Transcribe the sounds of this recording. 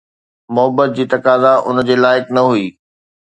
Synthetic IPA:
mʊɦəbət̪̚d͡ʑiːt̪ɐkaːzaʔʊ̰nəd͡ʑeːlaːɪknɐɦuiː

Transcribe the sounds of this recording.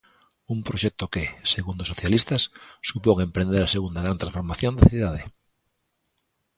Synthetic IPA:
umpɾoʃɛk̚t̪okeseɣund̪osoθjalist̪asːupoŋempɾẽnd̪eɾaseɣund̪aɣɾant̪ɾãsfoɾmaθjond̪aθiðað̞e

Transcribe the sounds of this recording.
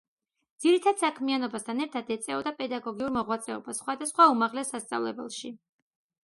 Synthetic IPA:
d̪z̥iɾit̪ʰad̪̥sakʰmianɔbast̪ʰanɛɾt̪ʰad̪ɛt̪sʼɛɔd̪apʼɛd̪aɡɔɡiuɾmɔʁwat̪sʼɛɔ̰basːχwad̪asχwaumaʁlɛsːast̪sʼa̰vlɛbɛ̰lˠʃi

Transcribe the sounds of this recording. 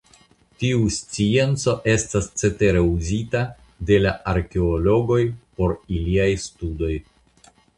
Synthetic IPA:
tiust͡sie̞nt͡so̞ʔe̞stast͡se̞teɾe̞uzita | de̞laʔaɾke̞olo̞ɡo̞jpo̞ɾiliajstudo̞j

